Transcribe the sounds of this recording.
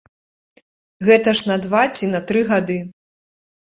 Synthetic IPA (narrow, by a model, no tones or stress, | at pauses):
ɣɛt̪ɐʂnɐd̪vat͡sʲinɐt̪ɾɨɣad̪ɨ